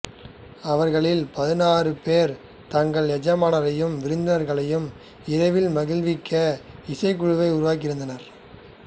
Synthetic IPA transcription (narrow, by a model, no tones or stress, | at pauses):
ɐʋɐɾɣɐɭɪlpɐðɪnaːrɯpeːɾ | t̪ɐŋɡɐɭɛd͡ʒɐmaːnɐɾɐjɯmʋɪɾɯnd̪ɐnɐɾɣɐɭɐjɯm | ɪɾɐɪʋɪlmɐɣɪlʋɪkːɐɪsɐɪk̬ːʊɻʊʋɐɪʊɾʊʋaːk̬ɪɾɯnd̪ɐnɐɾ